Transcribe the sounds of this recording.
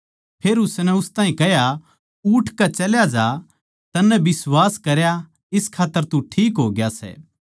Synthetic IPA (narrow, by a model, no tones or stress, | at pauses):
pʰeːɾʊsnɛ̃ʊst̪ãːɦĩkɛɦja | uʈʰkat͡ʃɐljad͡ʒa | t̪ɐnːɛ̃bɪswaːskɐɾja | ɪskʰaːt̪ːəɾt̪uʈʰiːkɦoːɡjasɛ̰